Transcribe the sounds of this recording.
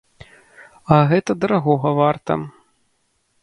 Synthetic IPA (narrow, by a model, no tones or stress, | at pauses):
ɐɣɛt̪ɐd̪ɐɾaɣɔɣɐvart̪ɐ̰